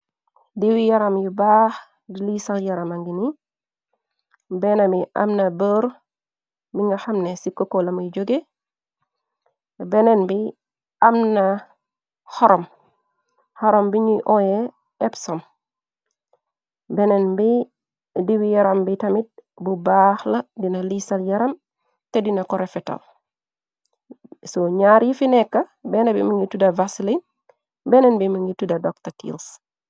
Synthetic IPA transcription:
diwijaɾamjubaːx | dilisaljaɾamaŋɡini | benamiʔa̰mnabəɾ | biŋɡaxamnesikːokolamujd͡ʒoɡe | benenbi | amna | xɔɾʔɔm | hɔɾombiɲuʔɔje | ɛpsɔm | bɛnɛnbi | diwijɐɾambitɐmit̚ | bubaːhlɐdinɐlisɐljɐɾɐm | tɛdinɐkɔɾefɛta̰l | soɲaːɾjifinɛkːɐbɛnɐbḭmiŋɡitudɐvasilin | bɛnɛnbimiŋɡitudɐdɔk̚tatḭls

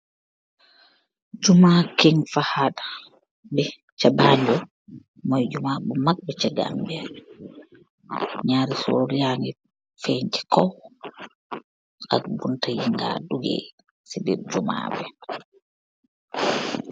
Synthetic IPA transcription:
d͡ʒumakɛŋfahaɗa | bɛ | t͡ʃabaːɲd͡ʒɔ | mɔjd͡ʒumabumak̚bɛt͡ʃaɡa̰mbɛɾ | ɲaːɾisoɾijaːni | feɲd͡ʒɛ̥kɔw | ʔa̰kbuntajiŋɡa̰duɡɛ̰ | sibɛ̰d͡ʒuma̰bɛ

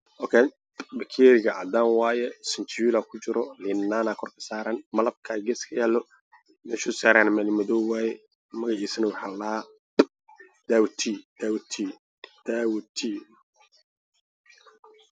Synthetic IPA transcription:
ɔkʰɛn | bɐkʰɛːɾɪɣɐʔɐd̪aːnwaːjɛsɪnt̪ʰwuːlakʰʊt͡ʃɪɾɔlɪnːaːnakʰɔrkʰɐ̥saːɾɐnmɐlɐb̚kʰaɡɛskʰɐjaːlːɔ | mɛʃʊsaːɾanmɛlmɐðɔwaːjɛ | mɐɣɐʕiːsɐnɐwɑħalɐhaː | d̪̥aːwt̪ʰid̪̥awt̪ʰi | d̪̥aːwt̪ʰi

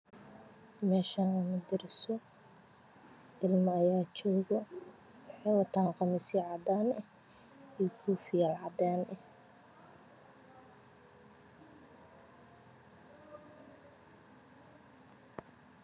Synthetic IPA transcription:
mɛːʃanʊmʊd̪ɪɾɪsɔ | ʔɪlmɐːjaːt͡ʃɔːɣɔ | ħɑːwɑt̪ʰaːqɑmɪsiʕɑd̪aːnɛ | ijkʰuːfɪjalʕɑd̪aːnɛh

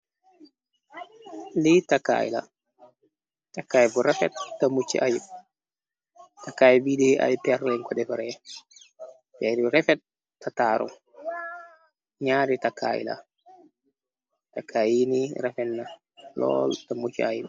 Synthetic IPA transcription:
litaka̰ːḭla̰ | takːaːjbuɾɛfɛ̰tːamut͡ʃːḭʔajib | takajbidɛʔa̰jipɛɾɛŋkɔdɛfaɾɛ | tɛɾiɾɛfɛtː | ataːɾɔ̰m | ɲaːɾitakʰa̰ːjḭla̰ | takʰajiniɾɛfɛnːa | lɔ̰ːltamut͡ʃːiaji

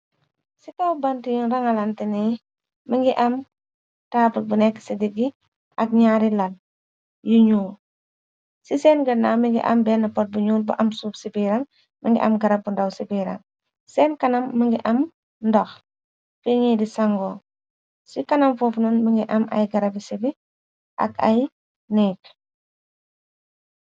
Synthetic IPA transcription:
sitawbɐntijunɾɐŋɐlantini | məŋɡiʔɐm | taːpət̚bunɛkːsidiɡi | ʔɐk̚ɲaːɾilɐl | juɲuːl | sisɛːnɡɐnamiŋɡḭʔɐ̰mbɛnɐpɔt̚buɲuːlbṵʔɐmsuːfsipiɾɐŋ | məŋɡḭʔɐ̰mɡɐɾɐb̚ːundɐwsibiɾa̰ŋ | sɛːnkɐnɐmːəŋɡiʔɐm | ndɔx | fiɲidisaŋɡɔ | sikɐnɐmfoːfnunməŋɡiʔɐmɐ̰jɡɐɾɐbisibi | ʔɐ̰kɐ̰j | nɛːk

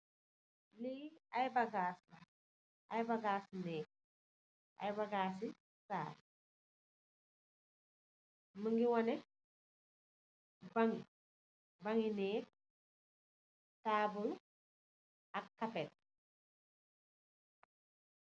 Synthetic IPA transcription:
liɐjbaɡaːsba | ʔɐjbaɡaːsnɛːk̚ | ʔɐ̰jbɐɡaːs̬i | saːɾ | məŋɡiwɐnɛ | baŋi | baŋinɛːk | taːbul | ɐkːɐpɛt̚

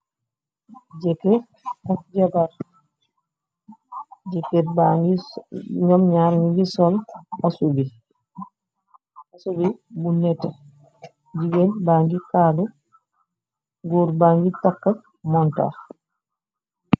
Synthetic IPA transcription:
d͡ʒɛkɛ | ɔd͡ʒabaɾ | d͡ʒɛkːɛbaŋɡiɲɔmɲaɾŋɡisɔlasubi | asubibunːɛta | d͡ʒiɡɛnbaŋɡikadu | ɡuɾbaŋɡitakːa | mɔnta̰

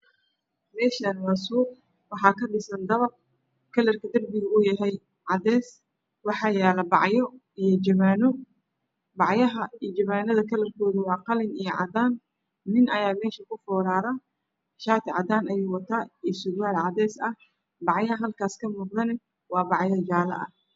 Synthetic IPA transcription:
mɛːʃɐnwɑːsuː | wɑħɑːkʰɐɖɪsɐnd̪ɐβɐr̚ | kʰɐlɐrkʰɐd̪ɐrbɪɣʊʊjɐɦɛj | ʕɑd̪ɛːs | wɑħɑːjɛːlɐbɑ̰ʕjɔ | ijɞd͡ʒɐβaːnɔ | bɑʕjɐɦɐijd͡ʒɐβaːnɐðɐkʰɐlɐrkʰɔːðʊwɑːqɑlɪnijɔʕɑ̰d̪aːnː | ɪnɐjaːmɛːʃɐkʰʊfɔːɾaːðɐ | ʃaːt̪ʰʕɑ̰d̪aːnɐjuːwɑt̪ʰaːiːsʊdwaːlʕɑd̪ɛːsɐh | bɑʕjɐɐɦɐlkʰaːskʰɐmuːqðɐnɛ | wɑːbɑʕjɐd͡ʒaːlɐ̰ʔɐ̰h

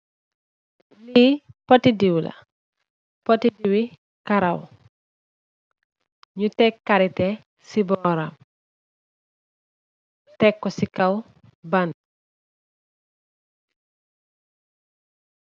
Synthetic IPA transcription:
lipotidiwlɐ̰ | potidiwi | kaɾɐw | ɲutɛkːɐɾitɛ | sibɔɾam | ɲutɛkːɔsikɐw | bɐn

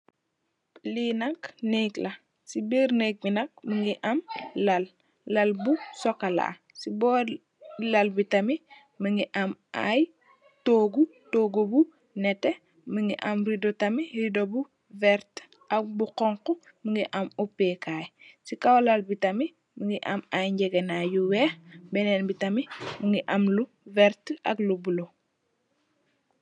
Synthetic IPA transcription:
linakneklɐ | sibiɾnek̚binɐk̚məŋɡiʔamlɐlː | ɐlbusɔkala̰ː | sibɔ | lɐlbitɐmi | məŋɡiʔamʔa̰j | toːɡutoːɡobu | nɛte | məŋɡiʔamɾidotɐmiridobu | vɛɾt | ak̚buqɔŋqu | məŋɡiʔamupːekaːjsikawlalbitami | məŋɡiʔamajɲɟɛɡenajuwɛbɛnenbitɐmiməŋɡiʔɐmlu | vɛɾta̰ɡlubulo

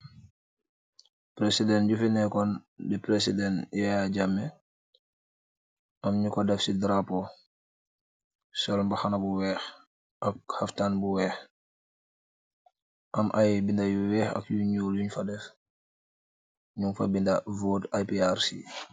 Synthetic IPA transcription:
pɾesidɛnɟufinɛkɔndɛpɾesidɛnjaaɟamɛ | ʔamɲukɔdɛfsidɾapɔ | sɔlmbaxanabuwɛx | ʔak̚haftanbuwɛːx | ʔamʔajbindajuwɛːxa̰kjuɲuluɲfadɛf | ɲuŋfabindavotajpiaɾsḭ

